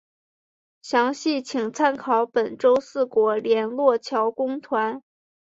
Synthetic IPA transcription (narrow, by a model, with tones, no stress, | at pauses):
ɕjɑ˧˥ŋɕi˥˩t͡ɕʰi˨˩ŋt͡sʰa˥nkʰɑ˨˧˥ʊpə˨˩nʈ͡ʂo˥ʊsɹ̩˥˩kwɔ˧˥ljɛ˧˥nlwɔ˥˩t͡ɕʰjɑ˧˥ʊkʊ˥ŋt̪ʰwa˧˥n